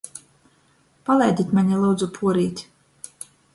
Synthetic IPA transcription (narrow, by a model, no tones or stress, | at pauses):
palʲˠɛjd̪ʲit̪ʲmaɲʲilˠuːd̪zupʰuɔɾiːt̪ʲ